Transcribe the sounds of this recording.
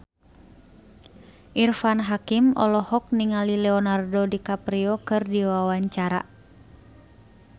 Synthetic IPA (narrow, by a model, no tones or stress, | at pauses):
ʔirfanɦakimʔɔ̰lɔhɔk̚niŋalilɛɔnardɔdikapɾiɔkɨrdiwawaɲt͡ʃaɾa̰